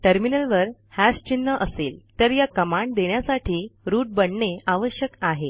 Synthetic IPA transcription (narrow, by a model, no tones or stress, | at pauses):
ʈəɾminəlʋəɾhast͡ɕinːəʔəseːlt̪əɾjakəmaɳɖd̪eɳjasaʈʰiːɾuːʈ̚bəɳɳeaʋəɕjəkaɦe